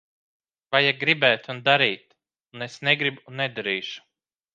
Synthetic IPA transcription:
vajaɡɾibɛːt̪und̪aɾiːt̪ | unesneɡɾibunɛd̪aɾiːʃu̥

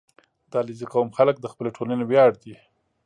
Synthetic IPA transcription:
d̪̥ɑliziqawmxalək̚d̪əxpəleʈʰolanebjɑɽd̪i

